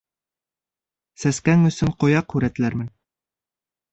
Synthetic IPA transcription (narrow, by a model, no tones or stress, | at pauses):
sæskæŋɵ̆sɵɴqŏjɑqhʉɾæt̪ɘ̆læɾmɘn